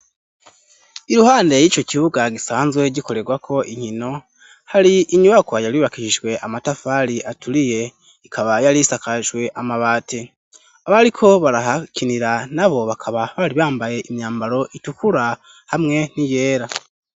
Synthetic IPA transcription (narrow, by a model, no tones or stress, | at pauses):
iɾuhaːnde̞jiːt͡ʃo̞ciβuɡaɡisaːnzwe̞ɟiko̞ɾe̞ɡwakʰo̞ʔiŋhino̞ | haɾiiɲuβakwajaɾiβakiʃiʒwe̞ʔamatafaɾiʔatʰuɾije̞ | ikʰaβajaɾisakaʒɡwe̞ʔamaβaːtʰe | aβaɾikʰo̞βaɾaɦacʰiniɾanaβo̞βakʰaβaβaɾiβaːmbaje̞ʔimɲaːmbaɾo̞ʔitukuɾa | hamŋe̞nije̞ːɾa